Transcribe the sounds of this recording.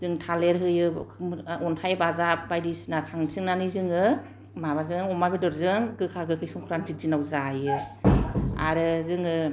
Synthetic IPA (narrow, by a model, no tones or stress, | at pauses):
zɯŋtʰaleɾɦɯjɯ | ɔntʰajbazap̚bajdisnasʰaŋsʰɯŋnanɯzɯŋɯ | maβazɯŋɔmabedɔɾzɯŋɡɯkʰaɡɯkʰɯjsɔŋkʰɯɾanzit̚zinawzajɯ | a̰ɾɯzɯŋɯ